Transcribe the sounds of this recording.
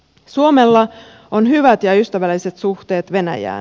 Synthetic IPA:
suomelːɑ | onɦyʋæt̪jɑyst̪æʋælːise̞t̪suxt̪e̞ːt̪ʋe̞næ̰jæ̰ːn

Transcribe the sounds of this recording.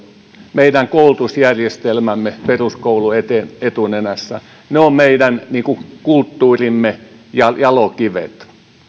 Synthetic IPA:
meidæŋkoulut̪usjærʲjest̪elmæmːeperuskouluet̪eet̪unenæsːæ̰ | neommeidænniːkukult̪ːuːrimːe | jɑjɑlokiʋḛt̪

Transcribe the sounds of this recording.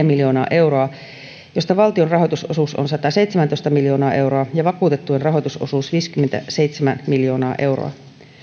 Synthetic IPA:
æmiljo̞ːnɑːʔe̞wɾo̞ɑ | jost̪ɑʋɑlt̪ionrɑɦojt̪uso̞̰suːso̰nsɑt̪ɑse̞jt̪semænt̪oist̪ɑmiljo̞ːnɑːʔe̞wɾoɑjɑʋɑkuːt̪e̞t̪ːuenrɑɦo̞jt̪uso̰suːsʋiːskymːent̪æ̰sejt̪semænmiljo̞ːnɑːʔe̞wro̰ɑ̰

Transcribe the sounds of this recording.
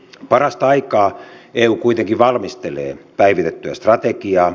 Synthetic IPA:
pɑrɑst̪ɑɑikɑːeːuːkuit̪eŋkiʋɑlmist̪elḛːpæiʋit̪et̪ːyæ̰st̪rɑt̪ekiɑː

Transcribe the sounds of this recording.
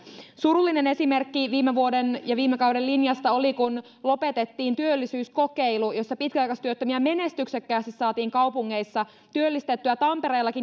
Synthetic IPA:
suɾulːine̞ne̞simerkːiʋiːmːeʋuo̞denjɑʋiːmːekɑwde̞llinjɑst̪ɑo̞likun | lo̞pe̞t̪et̪ːiːnt̪yølːisyːsko̞keilujo̞sːɑpit̪̚kæɑjkɑst̪yøt̪ːømiæme̞ne̞st̪yksekːæːst̪issɑːt̪iːŋkɑwpuŋːe̞isːɑ | t̪yølːist̪et̪ːyæt̪ɑmpe̞ɾejlːɑkin

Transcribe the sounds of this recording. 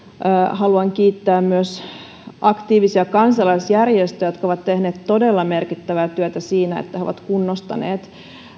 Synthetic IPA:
hɑluɑŋkiːt̪ːæːmmyøs | ʔɑkt̪iːʋisiɑkɑnsɑlɑisjærjest̪øjot̪koʋɑt̪t̪ehneːt̪t̪o̞delːɑmerkit̪ːæʋæːt̪yøt̪æsiːnæḛt̪ːæeo̰ʋɑ̰t̪kunːost̪ɑ̰nḛːt̪

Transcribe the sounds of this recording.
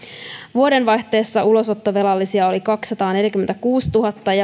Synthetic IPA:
ʋuo̞de̞nʋɑjçt̪e̞ːsːɑulo̞sot̪ːoʋe̞lɑlːisiɑo̞likɑksːɑt̪ɑːne̞ljækymːent̪ækuːst̪uɦɑt̪ːɑjɑ

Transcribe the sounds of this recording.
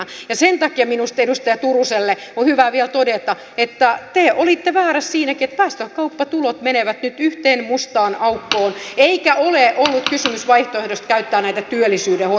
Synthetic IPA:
jɑsent̪ɑkiɑminust̪edust̪ɑjɑt̪uruselːeohyʋæʋiɛlt̪odet̪ɑ | et̪ːæt̪eʔolit̪ːeʋæːɾæssiːnækiet̪pæːst̪øhkɑupːɑt̪ulot̪meneʋæt̪nyt̪yht̪eːnmust̪ɑːnɑukːoːneikæʔoleʔolːut̪kysymysʋɑiht̪oehdost̪kæyt̪ːæːnæit̪æt̪yølːˑisyːdeho

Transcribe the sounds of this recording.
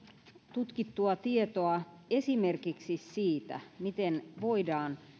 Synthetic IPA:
t̪ut̪kit̪ːuɑt̪iet̪oɑ | esimerkiksissiːt̪æ̰mit̪enʋoidɑːn

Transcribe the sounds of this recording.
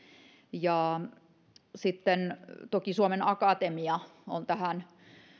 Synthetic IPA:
jɑːˑ | sit̪ːent̪okisuɑmenɑkɑˑt̪emiɑo̰nt̪æhæn

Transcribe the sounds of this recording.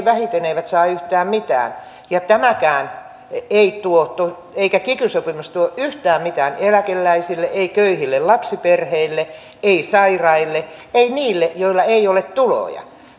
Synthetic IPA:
ʋæhit̪eneiʋæt̪sɑːyht̪æːmmit̪æ̰ːn | jɑt̪æmækæːn | eit̪uot̪o | eikækikysopimust̪uoʔyht̪æːmmit̪æːnelækelːæisilːeʔeikøihilːellɑpsiperheilːe | eisɑirɑilːeeiniːlːejoilːɑeiolet̪t̪ulo̰jɑ̰

